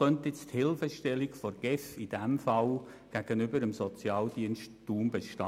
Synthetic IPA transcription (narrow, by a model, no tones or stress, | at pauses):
œnt̪jɪt͡sthɪlfəʃtɛlikfɔɾɡ̥ɛfid̥ɛmfɑl | ɡ̥æɡ̥ənʏbəɾəmsɔt͡sjɑːld̥iənʃtd̥uːmbeʃtɑ